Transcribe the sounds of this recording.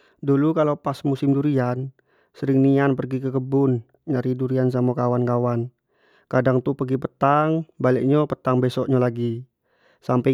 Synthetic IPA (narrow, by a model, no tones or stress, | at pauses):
dulukalopasmusɪmduɾian | səɾɪŋnianpərɡikəkəbʊn | ɲaɾiduɾians̬amokawankawan | kadaŋt̪upəɡipət̪aŋbalɛʔɲɔpət̪aŋbɛsɔʔɲalaɡi | sampɛ